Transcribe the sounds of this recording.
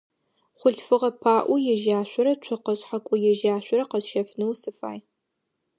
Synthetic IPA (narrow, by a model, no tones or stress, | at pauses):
χʷʊɬfɨʁɐpʰaːʔʷujɛʒaːɕʷɔɾɐt͡ʃʷʰɔqɐɕħakʷʼʊjɛʒaːɕʷɔɾɐqɐzʃɐfnɨwsɨfa̰ːj